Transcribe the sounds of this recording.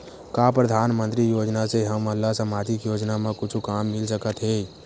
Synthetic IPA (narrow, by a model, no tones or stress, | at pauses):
kapɾəd̪ʱanmənt̪ɾijod͡ʒnaseɦəməlːasəmad͡ʒ̪ikjod͡ʒnamẽkʊt͡ʃʰukamːɪlsəkət̪ɦed͡ʒ